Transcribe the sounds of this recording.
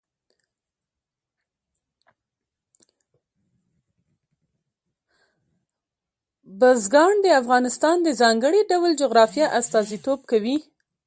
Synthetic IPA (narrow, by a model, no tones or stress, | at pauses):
bəzɡɑɳd̪əafɣɑnɪst̪ɑnd̪əzɑŋɡəɽeɖawld͡ʒoɣɾɑfjɑʔast̪ɑzit̪ob̚kawi